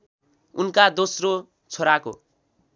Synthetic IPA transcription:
unkad̪osro | t͡sʰoɾako̰

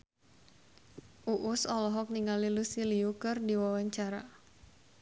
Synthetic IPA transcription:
ʔuʔʊsɔlɔɦɔk̚niŋalilusiliukɨrdiwawaɲt͡ʃaɾa

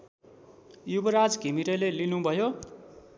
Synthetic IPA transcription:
jubʌɾad͡zɡʱimiɾelelinũbʱʌjo

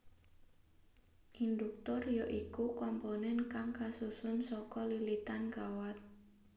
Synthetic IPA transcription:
ʔind̪uk̚t̪ʊrjoʔikukɔmponɛnkaŋkasusʊnsɔkɔlilit̪ankawat̪̚

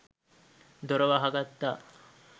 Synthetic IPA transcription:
d̪oɾɐʋaɦaɡat̪ːa

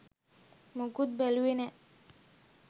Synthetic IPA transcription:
muɡud̪̚beluwine

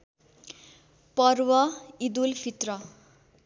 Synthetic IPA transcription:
pʌrwʌid̪ulpʰit̪rʌ

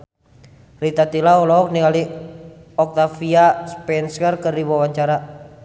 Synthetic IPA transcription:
rit̪at̪ilaɔlɔːk̚niŋali | ɔk̚t̪afiaspɛnsərkərdiwawaɲt͡ʃaɾa

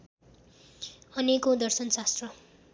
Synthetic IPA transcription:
ʌnekod̪ʌrsʌnsast̪rʌ

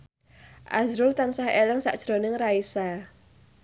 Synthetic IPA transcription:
ʔa̰zɾʊlt̪ansaheləŋsa̰ʔd̥ʒ̥ɾonɪŋraisa

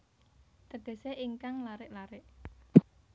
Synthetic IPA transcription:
t̪əd̪̥e̤seʔiŋkaŋlaɾɪʔlaɾɪʔ

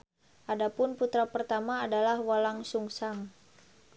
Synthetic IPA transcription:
ʔadapʊnput̪ɾapərt̪amaːdalahwalaŋsuŋsaŋ

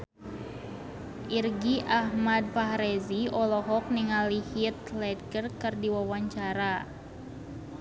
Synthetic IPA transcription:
ʔirɡiʔahmad̚paɦɾɛziɔlɔɦɔk̚niŋalihit̪̚lɛd̚kərkɨrdiwawaɲt͡ʃaɾa

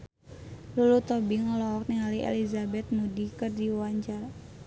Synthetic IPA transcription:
lulut̪obiŋəlɔwɔk̚niŋaliḛlizabɛt̪̚mudikɨrdiwaɲd͡ʒar

